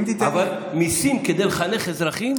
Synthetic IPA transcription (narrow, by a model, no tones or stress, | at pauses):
t̪it̪aval | misimked̪elχaneχezɾaχim